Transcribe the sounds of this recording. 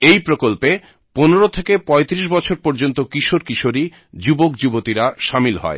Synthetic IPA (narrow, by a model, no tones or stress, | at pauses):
ejpɾokolpe | poneɾot̪ʰekepɔet̪iɾiʃ̬bɔt͡ɕʰoɾpoɾd͡ʑont̪okiʃoɾkiʃoɾi | d͡ʑubok̚d͡ʑubot̪iɾaʃamilɦɔ̰e